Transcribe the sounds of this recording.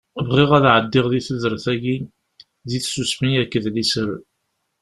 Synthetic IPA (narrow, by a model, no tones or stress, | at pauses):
vʁiʁæðʕəd̪ːɪʁðiθəðəɾəθæʝi | ðiθsusmiækːəðlisəɾ